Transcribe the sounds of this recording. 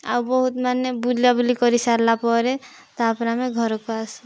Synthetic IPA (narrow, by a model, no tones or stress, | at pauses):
a̰ubɔɦut̪manjebuljabulikɔɾisaɾlapɔɾe | t̪apɾameɡʱɔɾokoas